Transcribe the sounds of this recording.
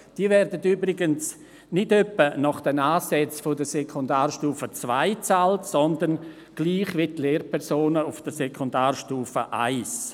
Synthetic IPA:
d̥iːəvɛɾdətybɾɪɡəns | nɪdœpːənɔχd̥ənaːsɛt͡sfʊdəsɛkʰondaːrʃtuːfət͡svaɪt͡saltsɔndən | ɡ̥liːχʋɪtleːɾpʰɛɾsoːnəʊfd̥əsekʰondaːɾʃtuːfəʔa̰ɪs

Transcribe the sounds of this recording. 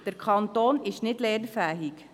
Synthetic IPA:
d̥əɾkʰɑnt̪oːnɪʃnɪdleːɾfɛːɦik

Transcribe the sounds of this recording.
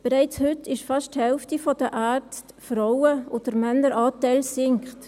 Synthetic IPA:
b̥əɾaɪt͡shʏtʰɪʃfɑʃthɛlftifɔd̥əʔæːrt͡stfrawəʔoːd̥əɾmɛnːəɾʔɑːtɛɪlsɪŋkχt

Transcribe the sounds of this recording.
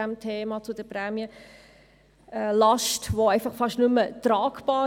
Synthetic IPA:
æmtʰeːmɑt͡sʊd̥əpɾæːmiə | ɛlɑʃtʋoɛɪfɑχfɑʃtnʉmət̪ɾɑːkbɑː

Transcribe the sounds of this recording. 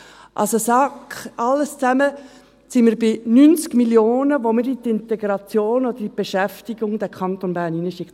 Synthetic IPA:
ʔɑ̰lsosɑkχʔɑlːəst͡sæmə | siməɾbɪnynt͡skmiljoːnəʋomɪɾit̪ɪnt̪ɛɡɾɑt͡sjoːnɔd̪əɾib̥eʃæftiɡʊŋd̥̪ɛkʰχɑnt̪onbæːɾninəʃɪkt̪

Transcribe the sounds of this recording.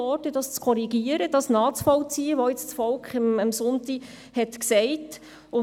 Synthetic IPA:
ɔːtədɑst͡skʰɔɾiɡiəɾəd̥ɑsnɑːt͡sfɔlt͡siəʋɔɪt͡st͡sfɔlkχəməmsʊnti | hɛtksɛɪt | ʊ

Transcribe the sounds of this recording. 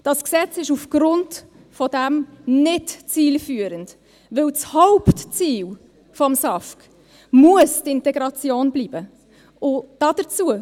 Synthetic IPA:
d̥ɑsksɛt͡sɪʃufɡ̥ɾʊnd | fɔdɛmnɪtt͡siːlfyːəɾənd | ʋɪlt͡shɔʊptt͡siːl | fɔmsɑfk | muəstɪntɛɡɾɑt͡sjoːnbliːbə | ʊd̥ɑd̥ət͡suə

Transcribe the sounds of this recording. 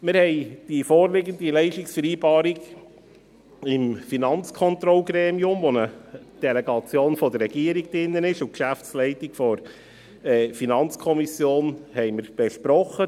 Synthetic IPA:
mɪɾhɛɪd̥ifoːɾlɪɡəndilɛɪʃtɪksfəɾiːbɑːɾiɡ | ɪmfinɑnt͡skʰɔnt̪ɾɔlɡɾɛːmiʊmvonə | d̥ɛlɛɡɑt͡sjoːnfɔdərɛɡ̥iəɾiɡ̚dɪnːənɪʃʊkʃæft͡slɛɪtɪkfɔɾ | ɛfinɑnt͡skʰɔmisjoːnhɛɪməɾb̥eɛʃpɾɔχə

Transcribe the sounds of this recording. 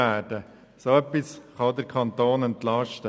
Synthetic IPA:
æːɾd̥ə | soœpːisχɑʊd̪əɾkʰɑnt̪oːnɛntlɑʃtə

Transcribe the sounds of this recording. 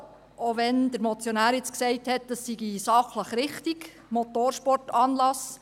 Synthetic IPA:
oʋɛnd̥əɾmɔt͡sjonæːɾjɪt͡sksɛɪthɛt̚d̥ɑsːiɡisɑχləχɾɪχtiɡ | mot̪oːɾʃpɔrtɑːnlɑs

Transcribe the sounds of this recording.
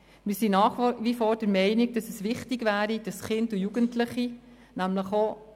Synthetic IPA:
mɪɾsinɑːχʋifɔːɾd̥əɾmɛɪnɪɡ̚d̥ɑsəsʋɪχtiɡʋæːɾid̥ɑsχɪndujuɡəntləχi | næmləχo

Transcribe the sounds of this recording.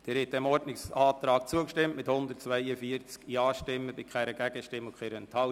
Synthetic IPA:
d̥ɛɾhɛtɛmɔrdnɪksɑːt̪ɾɑːk̚t͡suəkʃtɪmtmɪthʊnd̪ərtt͡svæɪjəfiəɾt͡skjɑːʃtɪmːəbɪkχɛɾəɡ̥æɡ̥əʃtɪmːʊkʰχɛɾɛnt̪ʰɑ

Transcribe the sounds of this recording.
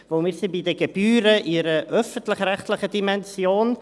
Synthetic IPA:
voʊmiːɾsɪnbidəɡebyːɾəʔɪɾəʔœfəntlɪχrɛχtlɪχədimɛnsjoːn

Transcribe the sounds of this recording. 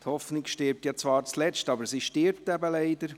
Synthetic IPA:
thɔfnɪɡʃtɪɾp̚tjɑt͡svɑːɾt͡slɛt͡stɑbəɾsiːʃtɪɾp̚tɛbəlɛɪdəɾ

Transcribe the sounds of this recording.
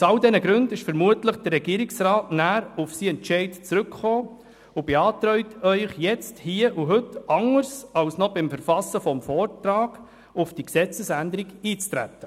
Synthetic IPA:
sɑldɛnəɡɾʉndɪʃfəɾmuətləχd̥ərːɛɡiːɾɪksɾɑːtnæːɾʊfsiːɛnt͡ʃɛɪtt͡sɾʉkχoː | ʊb̥eɑːtɾœʏtʰœʏχjɛt͡sthiːəʔuɦɵtɑŋəɾsɑlsnɔbɪmfəɾfɑsəfɔmfɔːrtɾɑːɡ̥ | ʊfd̥iksɛt͡səsændəɾiɡiːt͡st̪ɾæ̰t̪ːə

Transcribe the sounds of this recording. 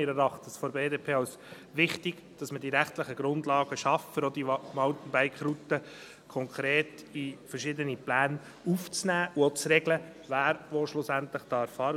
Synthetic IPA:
ɪɾɛɾɑχtsfɔɾbeːdeːpʰeːɑʊs | ʋɪχtɪɡ̥d̥ɑsmədiɾæχtlɪχəɡ̥ɾʊnd̪lɑːɡ̥əʃɑfəɾod̪imɑʊtn̩bæɪkχɾut̪ə | kʰɔŋkʰɾeːtifəɾʃɪdəniplæːn | uft͡snæːʔuot͡sɾɛɡlə | væːɾʋoːʃlʊsænt̪lɪχd̥ɑːɾfɑːɾ

